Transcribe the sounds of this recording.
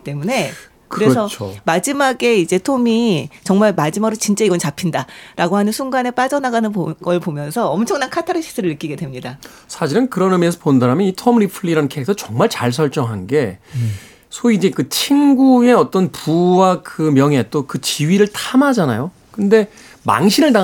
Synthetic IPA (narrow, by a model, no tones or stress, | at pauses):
t͈e̞mune̞ | kɯɾesʰʌt͡ɕʰomad͡ʑimaɡe̞id͡ʑe̞tʰomit͡ɕʌŋmaɭmad͡ʑimaɡɾot͡ɕint͡ɕ͈aiɡʌnt͡ɕapʰindaɾʔaɡoɦanɯnsʰuŋɡane̞p͈ad͡ʑʌnaɡanɯnɡʌɭpomjʌnsʰʌʌmt͡ɕʰʌŋnankʰatʰaɾɯɕʰi̥sʰɯɾɯɭːɯk͈iɡe̞dwemɲida | sʰaɕʰiɾɯnkɯɾʌnɯmiesʰʌponɯns̬ʰaɾamjʌnitʰʌmɾipʰɯɭːiɾanɯnkʰek̚tʰʌt͡ɕʌŋmaɭt͡ɕaɭs̬ʰʌɭt͡ɕ͈ʌŋɦanɡe̞ | sʰoid͡ʑe̞kɯt͡ɕʰiŋɡue̞ʌt͈ʌnpuwakɯmjʌŋɦe̞t͈okɯt͡ɕiɥiɾɯɭtʰamad͡ʑana̰jo | kɯnde̞ | ma̰ŋɕʰinɯɭda